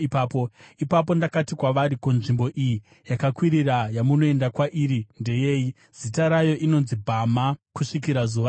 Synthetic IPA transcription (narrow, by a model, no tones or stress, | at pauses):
ipaːpoipap̬o̞ndakatikwaʋaɾikunʐimbo̞ʔiji | jakakwiɾirajamuno̞e̞ndakwaʔiːɾinde̞je̞ːji | z̥itaɾajo̞ʔino̞nzibʱamakuʂikiɾazuːʋa